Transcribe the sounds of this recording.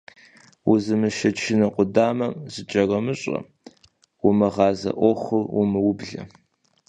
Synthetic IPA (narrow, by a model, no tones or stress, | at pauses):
wuzɨmɨʃɐt͡ʃʰɪnɐqʷʼʊdaːmɐmzɨd͡ʒʼɐrɐmɨɕʼɐ̰ | wʊmɨʁɑːzɐ̰ʔʷɔχʷɨrwʊmɨwʊbɮɐ̰